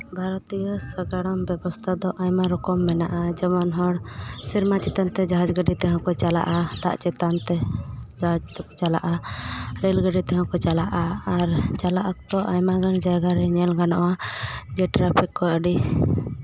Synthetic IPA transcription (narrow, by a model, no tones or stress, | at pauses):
bʱaɾɔt̪ijɔsəɡaɽɔmbɛbɔst̪ʰad̪ɔʔajmaɾɔkɔmːɛnaʔad͡ʒɔmɔnɦɔɽsiɾmat͡ʃɛt̪ant̪ɛd͡ʒaɦad͡ʒɡəɖit̪ɛɦɔ̃kɔt͡ʃala̰ʔad̪̥a̰ʔt͡ʃɛt̪ant̪ɛd͡ʒaɦad͡ʒt̪ɔkɔt͡ʃala̰ʔaɾɛlɡəɖit̪ɛɦɔ̃kɔt͡ʃalaʔaːɾt͡ʃalaʔakt̪ɔʔajmaɡand͡ʒaɡaɾɛɲɛlɡanɔʔwad͡ʒɛʈɾapʰikːɔəɖi